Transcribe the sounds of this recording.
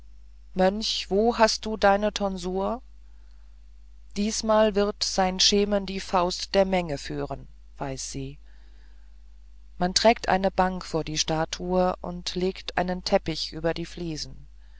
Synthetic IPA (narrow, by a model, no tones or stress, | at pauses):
mœnçv̥oːhast̚d̥uːdaɪnətʰɔnzuːɐ | d̥iːsmaːlvɪʁtz̥aɪnʃeːməndiːfaʊstd̥eːɐmɛŋəfyːʁən | v̥aɪsz̥iː | mantʁ̥ɛːk̚tʔa̰ɪnəbaŋkfoːɐdiːʃtaːtʰuəʔʊ̰ntleːktʔa̰ɪnəntʰɛpɪçʔyːbɐdiːfliːzn̩